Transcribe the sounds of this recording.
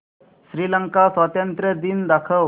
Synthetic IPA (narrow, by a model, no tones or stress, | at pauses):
ɕɾiːləŋkasət̪ənt̪ɾəd̪ind̪akʰə